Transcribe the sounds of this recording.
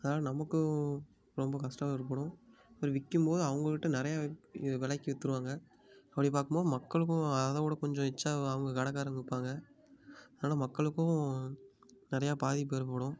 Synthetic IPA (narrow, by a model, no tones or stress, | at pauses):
ɐðnaːlɐnɐmɐkːɯ | ɾɔmbɐkɐsʈɐɪɾɯp̬ːɯɽʊ̃ɐpɐɾʋɪkːɯmpoːðɯɐʋɐŋɡɐkɪʈːɯnɪɾɐjaːʋɪɭɐɪkːiʋɛt̪ːɯɾɯʋaːŋɡɐ | ɐpːɐɽip̬aːɾkɯmboːðɯmɐkːɐɭɯk̬ːʊ̃ɐðɐ̃kuːɽɐkɔɲd͡ʒɔ̃ɛt͡ʃːaːɐʋɐŋɡɐkɐɽɐkːaːɾɐŋɡɐɯpːaːŋɡɐ | ɐðnaːlɐmɐkːɐɭɯkːʊ̃ | nɪɾɐjaːpaːðip̬ːeːɾpoːɽʊ̃